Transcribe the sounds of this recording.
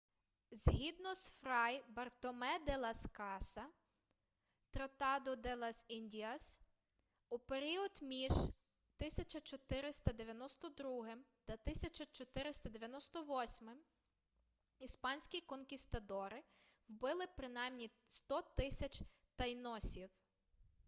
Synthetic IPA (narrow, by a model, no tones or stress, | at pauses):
zɦʲid̪nɔsfɾɑjbɐrt̪ɔmɛd̪elˠɐskɑsɐ | t̪ɾɐt̪ɑd̪ɔd̪ɛlˠɐsinʲdʲiɐs | upeɾʲiɔd̪mʲiʒ | t̪ɪsʲɐt͡ʃɐt͡ʃɔt̪ɪɾɪst̪ɐd̪eʋʲjɐnɔst̪ɔd̪ɾuɦɪmt̪ɐt̪ɪsʲɐt͡ʃɐt͡ʃɔt̪ɪɾɪst̪ɐd̪eʋʲjɐnɔst̪ɔʋɔsʲmɪm | ispɑnʲsʲkʲikɔnkʲist̪ɐd̪ɔɾɪwbɪlˠɪpɾɪnɑjmnʲist̪ɔt̪ɪsʲɐt͡ʃʲ | t̪ɐjnɔsʲiw